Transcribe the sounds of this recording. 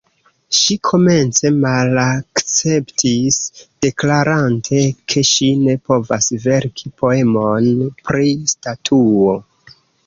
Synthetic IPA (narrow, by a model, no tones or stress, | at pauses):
ʃikʰo̞me̞nt͡se̞malakt͡se̞ptʰisd̥e̞klaɾantʰe̞kʰe̞ʃine̞po̞va̰sve̞ɾkʰipʰo̞e̞mo̞npɾistatʰuo̞